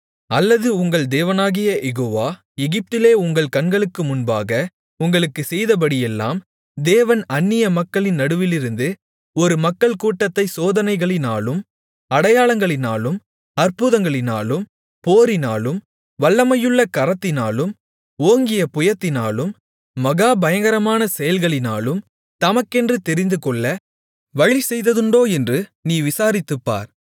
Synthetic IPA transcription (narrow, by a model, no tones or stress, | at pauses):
ɐlːɐðɯʊŋɡɐɭd̪eːʋɐnaːɣɪjɐʔɛɣoːʋaː | ɛɣɪp̚t̪ɪleːʊŋɡɐɭkɐnɡɐɭɯkːɯmʊnbaːɣɐ | ʊŋɡɐɭɯkːɯsɛjðɐp̬ɐɽɪjɛlːa̰ːm | d̪eːʋɐnɐnːɪjɐmɐkːɐɭɪnnːɐɽɯʋɪlɪɾɯnd̪ɯ | ɔɾɯmɐkːɐɭkuːʈːɐt̪ːɐɪsoːðɐnɐɪɣɐɭɪnaːlɯm | ɐɽɐjaːɭɐŋɡɐɭɪnaːlɯm | ɐrpʊðɐŋɡɐɭɪna̰ːlɯm | poːɾɪna̰ːlɯm | ʋɐɭːɐmɐjɯɭːɐkɐɾɐt̪ːɪna̰ːlɯm | oːŋɡɪjɐpʊjɐt̪ːɪna̰ːlɯmː | ɐɣaːbɐjɐŋɡɐɾɐmaːnɐsɛjɐlɣɐɭɪna̰ːlɯm | t̪ɐmɐkːɛndrɯt̪ɛɾɪnd̪ɯkɔɭːɐ | ʋɐɻisɛjðɐðɯɳɖoːɛndrɯniːʋɪsaːɾɪt̪ːɯpːa̰ːɾ